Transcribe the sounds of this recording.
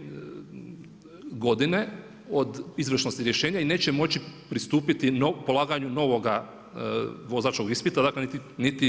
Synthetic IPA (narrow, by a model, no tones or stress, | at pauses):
ɡo̞d̪ine̞ | o̞d̪izʋr̩ʃno̞st̪iɾje̞ʃeːɲaine̞ːt͡ɕemo̞t͡ɕipɾist̪uːpit̪inopo̞lˠaːɡaɲuno̞ʋo̞ɡa | ʋo̞zaːt͡ʃko̞ɡispit̪ad̪aːklenit̪init̪i